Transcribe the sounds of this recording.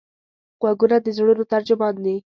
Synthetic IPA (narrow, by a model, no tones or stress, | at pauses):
ɣ̥waɡunad̪əzɽunot̪aɾd͡ʒʊmɑnd̪i